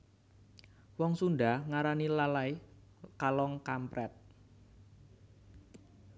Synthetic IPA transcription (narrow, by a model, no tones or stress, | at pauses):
wɔŋsunɖahŋaɾanilalai | kalɔŋkampɾɛt̪̚